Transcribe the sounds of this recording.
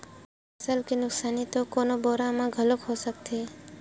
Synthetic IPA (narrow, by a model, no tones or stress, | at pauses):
əsəlkinʊksaːnit̪oːkoːnoːboːɾãːmãːɡʱəlokɦoːsəkt̪ʰeː